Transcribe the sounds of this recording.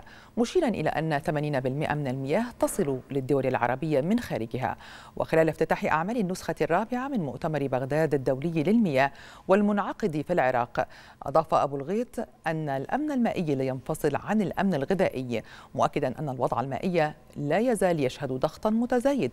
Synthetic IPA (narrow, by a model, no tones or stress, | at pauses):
mʊʃiːɾˤɑnʔɪ̰la̰ːʔanːaθamaːniːnabɪlmɪʔa̰mɪnalmɪjaːht̪ɑsˤɨlulɪd̪ːʊwalalʕɑɾˤɑbɪjːamɪnxaːɾɪɡɪɦa̰ | wʔɪ̰xɪlaːlɪft̪ɪt̪aːħɪʔa̰ʕmaːlanːʊsxarˤːɑːbɪʕamɪnmʊʔt̪amɑɾˤbaɣd̪aːd̪ad̪ːawlɪjːlɪlmɪjaːh | walmʊnʕɑqɨd̪filʕɪɾˤɑ̰ːq | ʔɑ̰d̪ˤɑːfaʔabuːlɣeːt̪ʔanːalʔa̰mnalmaːʔɪjːlɪjɑnfɑsˤɨlʕanalʔa̰mnalɣɪðaːʔɪjːmʊʔakːɪd̪anʔanːalwɑd̪ˤʕa̰lma̰ːʔɪjːa | laːjazaːljaʃhad̪d̪ˤɑxt̪ˤmʊt̪azaːjɪd̪